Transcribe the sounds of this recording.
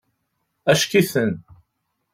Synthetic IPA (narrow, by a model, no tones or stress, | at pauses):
æʃkiθən